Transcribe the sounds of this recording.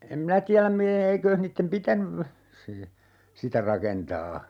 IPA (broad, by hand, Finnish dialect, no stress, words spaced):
em minæ tiælæm mi eːikøːh niːtːem pitænyʋ se sitæ rɑkentɑː